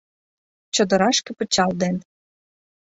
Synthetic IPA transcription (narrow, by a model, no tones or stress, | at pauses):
t͡ɕŏd̪ə̆ɾɑʃkĕpə̆t͡ɕɑld̪en